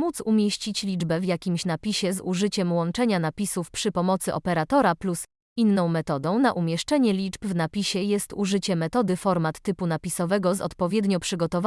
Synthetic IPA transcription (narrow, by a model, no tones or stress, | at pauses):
mut̪sumʲjeɕt͡ɕit͡ɕlʲid͡ʐbɛvjakʲimɕnapʲiɕɛzṵʐɘt͡ɕɛmwɔnt͡ʂɛɲanapʲisufpʂɘpɔmɔt̪sɘʔɔ̰pɛɾat̪ɔɾaplus | inːɔ̃w̃mɛt̪ɔd̪ɔ̃w̃naʔumʲjɛʂt͡ʂɛɲɛlʲid͡ʐbvnapʲiɕɛjɛst̪uʐɘt͡ɕɛmɛt̪ɔd̪ɘfɔɾmat̪ːɘpunapʲisɔvɛɡɔzɔ̰t̪pɔvʲjɛd̪ɲɔpʂɘɡɔt̪ɔv